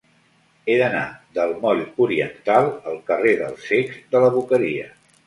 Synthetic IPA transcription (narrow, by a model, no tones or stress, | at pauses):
eðəna̰d̪əlˠmɔʎuɾiənt̪alˠəlˠkəreðə̰lˠseɡzðələβ̞ukəɾiə̰